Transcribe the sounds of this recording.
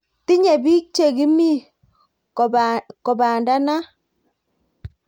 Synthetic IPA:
ti˦ɲe˨bi˦t͡ʃe˨ɡi˦mi˦ | kɔ˨baː˨nda˦na˦

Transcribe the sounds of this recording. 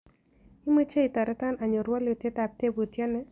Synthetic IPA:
i˦mə˦t͡ʃe˦i˨ta˨ɾɛ˦ta˦na˨ɲo˨ɾwɔ˦le˨tjɛ˦ta˨p̚te˦bo˨tjɛ˦nɛ˦

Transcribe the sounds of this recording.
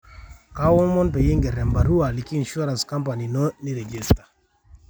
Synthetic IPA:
ka˦wɔ˦mɔ˦npɛ˨ji˦ŋɡɛ˨ɾɛ˨mba˨ɾu˦a˨li˨ki˦i˨nʃu˦ɾã˨nskã˦mpa˨ni˨nɔ˦ni˦ɾe˨d͡ʒi˦sta˨

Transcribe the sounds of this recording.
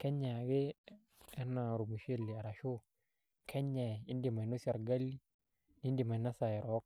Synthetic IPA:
kɛ˦ɲa˨ɡe˦ | ɛ˦na˨ɾu˨mu˨ʃe˦lːi˨a˨ɾa˨ʃo˦ | kʰɛ˦ɲa˨i˦ndi˨ma˨i˨no˦sa˨ɾɡa˦lːi˦ | ni˦ndi˨ma˨na˦sa˨ɛ˨ɾɔ˦k̚

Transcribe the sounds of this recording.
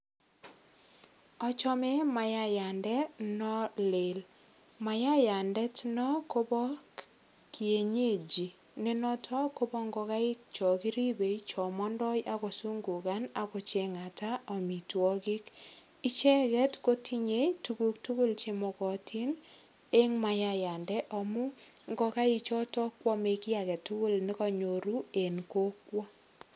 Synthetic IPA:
ɔ˦t͡ʃɔ˦me˦ma˨ja˦ja˨ndɛ˦nɔ˦lɪ˨l | ma˨ja˦ja˨ndɛ˦tnɔ˦ko˦bɔ˦k | kie˨ɲe˦˨d͡ʒi˨ | ne˦nɔ˦tʰɔ˦ko˦bɔ˦ŋɡɔ˧ka˦ɪ˦k̚t͡ʃɔ˨ki˦ɾi˦be˨jt͡ʃɔ˨mɔ˦ndɔ˦jʔa˦kɔ˨su˦ŋɡu˨ka˦na˨kɔ˨t͡ʃe˨ŋa˨ta˦ɔ˨mi˨twɔ˦kɪ˦k | i˦t͡ʃɛ˦kɛ˦tko˦tʰi˦ɲe˦tu˦ku˦ktu˦ko˦lt͡ʃe˦mɔ˨kɔ˨tʰi˦n | e˦ŋma˨ja˦ja˨ndɛ˦ʔɔ˨mu˦ | ŋɡɔ˧ka˦i˧t͡ʃɔ˦tɔ˦kwɔ˦me˨ki˦a˨kɛ˨tu˦ko˦lnɪ˦kɔ˦ɲo˨ɾu˦e˨nko˦kwɔ˦

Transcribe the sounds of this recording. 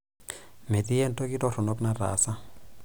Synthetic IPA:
me˨di˦ɛ˦n˦to˦ki˦dɔ˦ɾʊ˨nɔ˦kna˦ra̰˨˦sa˦

